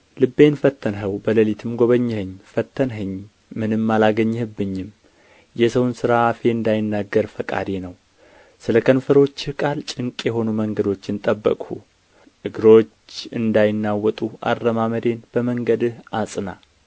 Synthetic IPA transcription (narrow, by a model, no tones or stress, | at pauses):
lɨbːe̞nfət̪ʰːənɦəwbələlit̪ʰɨmɡo̞βəɲːhɨɲːfət̪ʰːənɦɨɲː | mɨnɨmːalaɡəɲːhɨbːɨɲːɪm | jɛsəwnsɨɾaːfe̞ɨnd̪ajɪnːaɡːəɾfəkʼa̰d̪enəw | sɨləkʰənfəɾo̞t͡ʃːhkʼalt͡ʃʼɨŋkʼjɛɦo̞numəŋɡəd̪o̞t͡ʃːɪnt̪ʼəbːə̰kʼhu | ʔɨɡɨɾo̞t͡ʃːɨnd̪ajɪnːawːɔt̪ʼuʔa̰rːəmaməd̪e̞nb̥əməŋɡəd̪ɨhasʼɨna